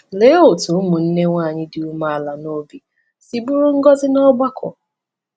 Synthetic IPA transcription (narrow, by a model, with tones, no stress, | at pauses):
le˨˦o˨tu˨ʊ˦mʊ˨n̩˦ne˦ŋʷaː˦˨ɲɪ˦dɪ˨u˦ma˦a˨la˨no˦bi˦ | si˨bu˦ɾu˦ŋ̩˦ɡɔ˦zɪ˦nɔ˦ɡ͡ba˦kʰʷɔ̰˨